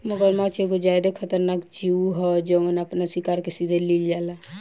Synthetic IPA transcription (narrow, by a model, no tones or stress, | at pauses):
məɡəɾmat͡ʃeɡod͡ʒajd̪ekʰət̪əɾnakd͡ʒiuɦɔd͡ʒemənəpnasikaɾkesid̪ʱelild͡ʒala